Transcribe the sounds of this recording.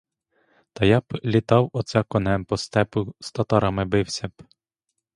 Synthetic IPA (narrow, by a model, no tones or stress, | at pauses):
t̪ɐjɑblʲit̪ɑwɔt̪sɛkɔnɛmpɔst̪ɛpʊst̪ɐt̪ɑɾɑmɪbɪwsʲɐb